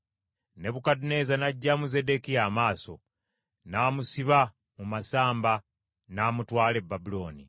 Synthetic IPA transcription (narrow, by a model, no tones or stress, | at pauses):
ne̞βukadune̞zanaɟːamuzedekijaːmaːso̞̰ | naːmusiβa | mumasaːmba | naːmutwaːle̞bːabulo̞ːni